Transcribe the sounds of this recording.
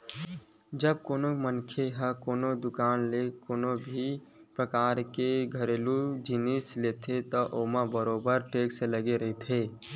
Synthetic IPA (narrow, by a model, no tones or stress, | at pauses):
d͡ʒəb̚koːnomənkʰeɦə̃koːnod̪ʊkaːnlekoːnobʱi | pɾəkaːɾkeɡʱəɾeːlud͡ʒɪnislet̪ʰet̪ɔʔoːmãbəɾoːbəɾʈeːkseləɡeɾəɦit̪ʰeː